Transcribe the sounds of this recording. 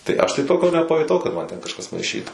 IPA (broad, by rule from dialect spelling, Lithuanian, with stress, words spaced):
tɐɪ ˈɐʃ tɐɪ ˈtoːkʲoː nʲɛpɐjʊˈtɐʊ kɐt ˈmɐn tʲɛn kɐʃˈkɐs mɐɪˈʃʲiːtuː